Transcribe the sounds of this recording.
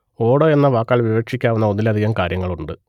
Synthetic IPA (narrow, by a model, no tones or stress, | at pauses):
o̞ːɽoːe̞nːɐʋaːkːaːɭʋiʋɐkʂikʲːaːʋunːɐo̞nːilɐd̪ʱiɣɐmkaːɾjɐŋːɐɭuɳɖɨ